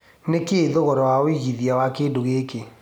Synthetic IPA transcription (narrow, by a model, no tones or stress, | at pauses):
nekeːðoɣɔɾɔwaoiɣiðiawakeːdoɣeke